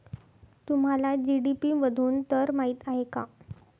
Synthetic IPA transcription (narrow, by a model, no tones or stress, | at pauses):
t̪um̤alad͡ʑiɽipiːʋəd̪ʱuːnt̪əɾmaɦiːt̪aɦeka̰